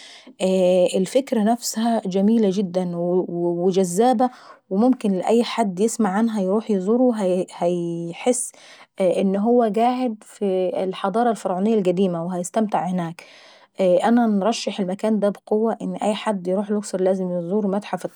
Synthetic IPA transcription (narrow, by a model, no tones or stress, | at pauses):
ʔæʔɪlfɪkɾænæfshæd͡ʒæmiːlæd͡ʒɪd̪ːænwwɪd͡ʒæzːæːbæwɪmʊmkɪnlɪʔæjːħad̪ːjɪsmaʕːanɦæjɾuːħjzˤuːɾuɦæhæjħesː | ʔɪnːɦʊwːæɡaːʕɪd̪filħɑd̪ˤɑːɾˤɑlfɑɾʕuːnɪjːælɡæd̪iːmæweɦæjɪst̪æmt̪ɪʕhɪnæːk | ʔʔænænɾˤɑʃːɑħelmækæːnd̪æbɪqowːæʔɪnːʔæjːħad̪ːjɾuːħluksɑɾˤlæːzɪmjezˤuːɾmæt̪ħaft̪ː